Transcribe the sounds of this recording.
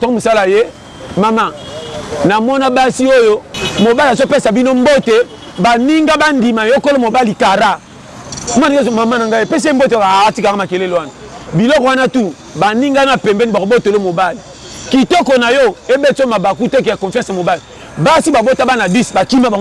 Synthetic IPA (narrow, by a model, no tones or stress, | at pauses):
tɔmosalaje | mama | namɔnabasiojomobalzopesabinombote | baniŋɡabandimajokolomobalikaɾa | manmamanaŋɡaepes̬em̩botaatikakamakelelowanabilɔkɔwanatu | baniŋɡanapɛmbɛnibakobotolomobali | kitɔkɔnajɔebet͡somabakutek̬eakɔfjãsmobali | basibabotabanabisbakimaba